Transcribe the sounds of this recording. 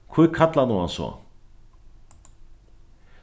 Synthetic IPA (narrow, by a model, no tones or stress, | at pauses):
kʰvujkʰat̪lanuansɔ̰